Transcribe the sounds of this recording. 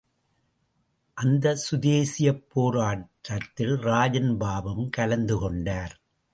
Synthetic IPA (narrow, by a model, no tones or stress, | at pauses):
ʔɐnd̪ɐsʊðeːsɪjɐpːoːɾaːʈːɐt̪ːɪlɾaːd͡ʒɐnbaːbɐmkɐlɐnd̪ɯkɔɳɖaːɾ